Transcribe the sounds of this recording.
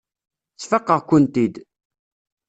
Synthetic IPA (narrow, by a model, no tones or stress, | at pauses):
t͡sːfəqːəʁkːʊnt̪id̪